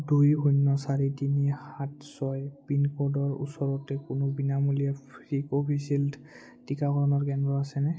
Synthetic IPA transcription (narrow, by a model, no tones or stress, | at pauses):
dujɦunːɔsaɹitinixatsɔjpinkodɔɹṵsɔɹɔtɛkʊnʊbinamulijapɹikopʰisild | tikakɔɹɔnɔɹkɛndɹɔasɛnɛ